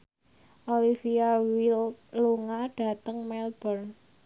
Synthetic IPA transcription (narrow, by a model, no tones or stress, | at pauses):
ʔolifiawiluŋaɖ̥ä̤t̪əŋmɛlb̥ərn